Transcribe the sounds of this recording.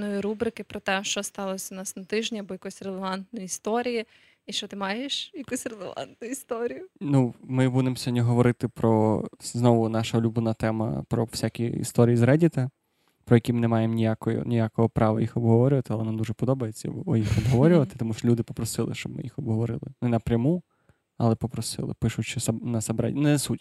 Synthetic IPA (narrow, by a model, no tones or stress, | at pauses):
nɔjiɾubɾɪkɪpɾɔt̪ɛʃt͡ʃɔst̪ɑlˠɔsʲɐnɑsnɐt̪ɪʒnʲiɐbɔjɐkɔsʲrelˠeʋɑnt̪nɔjʊist̪ɔɾʲiji | iʃt͡ʃɔt̪ɪmɑjeʃjɐkusʲrelˠeʋɑ̰nt̪nʊjʊist̪ɔɾʲijʊnumɪbunemsʲɔdʲiɦɔʋɔɾɪt̪ɪpɾɔznɔʋʊnɑʃɐɔlʲublˠɪnɐt̪ɛmɐ̰pɾɔwsʲakʲiḭst̪ɔɾʲijizɾɛdʲit̪ɐ | pɾɔjɛɐkʲimɪnɛmɑjemnʲijakɔjɔ̰nʲijakɔɦɔpɾɑʋɐ̰jixɔbɦɔʋɔɾʲʊʋɐt̪ɪɐlˠɛnamd̪uʒɛpɔd̪ɔbɐjet͡sʲːɐ̰ɔjixɔbɦɔʋɔɾʲʊʋɐt̪ɪt̪ɔmuʃt͡ʃɔlʲud̪ɪpɔpɾɔsɪlˠɪ̰ʃt͡ʃɔb̚mɪ̰jixɔbɦɔʋɔɾɪ̰lˠɪnɛnɐpɾʲɐmu | ɐlˠɛpɔpɾɔsɪ̰lˠɪ̰pɪʃʊt͡ʃɪsɐnɐsɐbɾɛ̰nɛsutʲ